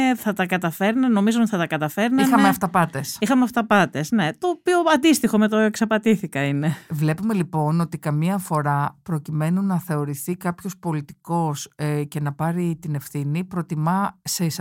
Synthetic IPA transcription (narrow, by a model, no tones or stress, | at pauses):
θɐt̪ɐkɐt̪ɐfe̞ɾnɐno̞mizoot̪i̥θɐt̪ɐkɐt̪ɐfe̞ɾnɐimxɐmeɐft̪ɐpɐt̪esixɐmeɐft̪ɐpɐt̪esne̞t̪o̞pio̞ɐnd̪ist̪ixo̞met̪oeksɐpɐt̪iθikɐine̞vle̞pumelipo̞no̞t̪ikɐmiɐfo̞ɾɐpɾo̞cime̞nunɐθe̞o̞ɾiθikɐpço̞spo̞lit̪i̥ko̞sce̞nɐpɐɾit̪ine̞fθinipɾo̞t̪imɐse̞is